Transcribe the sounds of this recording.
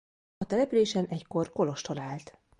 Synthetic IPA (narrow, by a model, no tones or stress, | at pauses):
ɒt̪ɛlɛpyleːʃɛnɛcko̞rko̞lo̞ʃt̪o̞laːlt̪